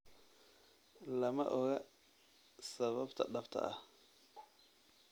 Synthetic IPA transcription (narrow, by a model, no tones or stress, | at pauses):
lɐmɐ̰ʔɔɣɐ | sɐβɐbt̪ʰɐ̰ɗɐbt̪ʰɐ̰ʔɐh